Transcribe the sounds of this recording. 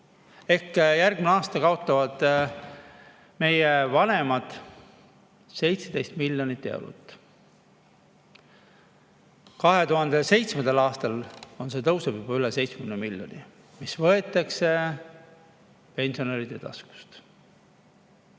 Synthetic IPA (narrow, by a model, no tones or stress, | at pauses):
e̞hkjærɡmineɑːst̪ɑkɑo̞t̪ːˑɑvɑd̪̥ | me̞jevɑne̞mɑd̪̥ | se̞jt̪sed̪e̞jst̪milʲjo̞nit̪ːe̞̰wɾṵt̪ːˑ | kɑɦe̞t̪uɦɑnd̪e̞se̞jt̪smend̪elɑːst̪ɑlo̞nse̞t̪ɤwsebjubɑylese̞jt̪smkkynemilʲjo̞̰ni | misvɤe̞t̪ːˑɑkse̞ | pe̞nʲsio̞nɑlid̪̥et̪ɑ̰sku̥st̪